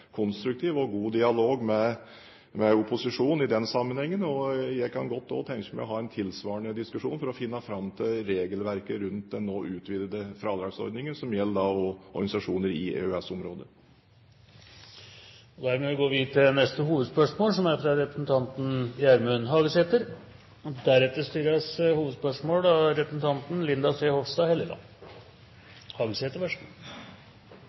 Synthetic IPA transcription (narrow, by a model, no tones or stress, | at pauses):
kʰɔnst̪ɾʉk̚t̪ʰiːʋɔɡuːd̪ɪɑloːɡmɛ | mɛʊpʊsɪʂuːnɪd̪ɛnsɑmːənhɛŋːənɔjæɪkʰɑnɡɔt̪ːɔ̰t̪ʰɛŋkəmæɪɔɦɑɛnt̪ʰɪlsʋɑːəɳəd̪ɪskʉʂṵːnfɔɾɔfɪnːɑfɾɑmt̪ʰɪlɾeːɡəlʋæɾkəɾʉnt̪̚d̪ɛnːoːʔʉːt̪ʰʋiːd̪əd̪əfɾɑːd̪ɾɑːɡsɔ̰ɾd̪nɪŋənsɔmjɛlːd̪ɑɔɔɾɡɑnɪsɑʂuːnəɾɪḛœɛsɔmɾoːd̪ə | ɔd̪æɾmɛʋɪɡoːʋiːd̪t̪ɪnɛst̪əhuːʋəd̪spœʂmoːlsɔmæɾfɾɑɾɛpɾəsn̩t̪ʰɑnt̪n̩jæɾmʉnɦɑːɡəseːt̪əɾ | d̪æɾɛt̪ːəʂt̪yːɾɑshuːʋəd̪spœʂmoːlɑɾɛpɾəsnt̪ʰɑnt̪n̩lɪnd̪ɑseːhɔfst̪ɑːhɛləɡ̪ɑ̰ | hɑːɡəseːt̪əɾʋæʂm